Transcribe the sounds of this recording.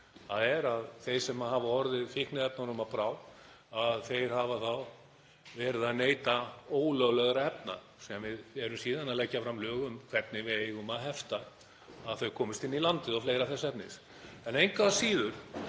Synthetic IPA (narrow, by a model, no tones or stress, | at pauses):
aðɛɾaðθejɾ̥sɛmaɦavaɔɾðɪðfɪhknɪðɛp̚naɾʏmaðpɾaːw | aðθejɾ̥haːvaθaw | vɛːɾɪðaðneːjt̪aoːwlœɣlɛɣaɾaɛp̚na̰ | sɛamvɪðɛɾʏmsiːðanaðlɛcːafɾamlœːɣʏmkʰv̥ɛpnɪvɪðejɣʏmaðɦɛft̪a | aðθœɥkʰɔːmɪst̪ɪnːilant̪ɪðɔfleːjɾaθɛsɛpnɪs | ɛnejŋkvasiːðʏɾ̥